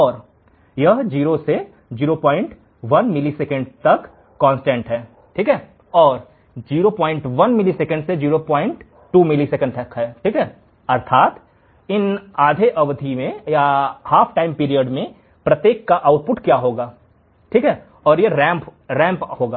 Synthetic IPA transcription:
ɔːɾ | jɐɦd͡ʒiːɾose | d͡ʒiːɾopɔ̃ːɪ̃ɳʈ | ʋɐnmɪliseːkə̃ɳɖ̚t̪ɐkː | ɔ̃ːnsʈẽɳʈɦɛː | ʈʰiːkɦɛː | ɔːɾ | d͡ʒiːɾopɔ̃ːɪ̃ɳʈʋɐnmɪliseːkə̃ɳɖsed͡ʒiːɾopɔ̃ːɪ̃ɳʈː | uːmɪlisekə̃ɳɖɐkɦɛːʈʰiːkɦɛː | ɐɾt̪ʰaːt̪ | ɪnaːd̪ʱeʔɐʋd̪ʱimẽjahaːpʰʈaːɪ̃mpiːɾijəɖmẽ | pɾɐt̪jeːkːaʔaːʊʈ̚pʊʈkjaɦoːɡaː | ʈʰiːkɦɛː | ɔːɾjeɾɛ̃ːmpɾɛ̃ːmphoːɡaː

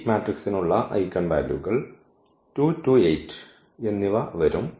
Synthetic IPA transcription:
maːʈriksinuɭːɐʔɐ̰jkːɐɳbaːlṵɣɐɭ | ʈuːtuːejʈː | e̞nːiʋɐʋɐɾum

